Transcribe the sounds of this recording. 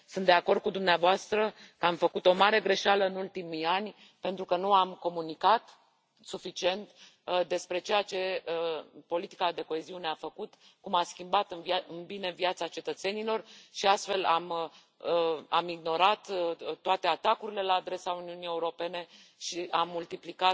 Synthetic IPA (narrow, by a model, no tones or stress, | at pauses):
sɨnt̪d̪eako̞rd̪̚kud̪umneavoast̪ɾəkəamfəkut̪o̞maɾe̞ɡɾe̞ʃaləɨnult̪imijanʲ | pe̞nt̪ɾukənuamko̞munikat̪ | sufit͡ʃie̞nt̪ | d̪e̞spɾe̞t͡ʃe̞jat͡ʃe̞əpo̞lit̪i̥kad̪e̞ko̞e̞ziune̞afəkut̪ | kumaskʲimbat̪ɨnɨnbine̞viat̪sat͡ʃe̞t̪ət̪se̞nilo̞rʃiast̪fe̞lam | əamiɡno̞ɾat̪t̪ːoat̪e̞at̪akuɾile̞laːd̪ɾe̞sauniunije̞uɾo̞pe̞ne̞ | ʃiamːult̪iplika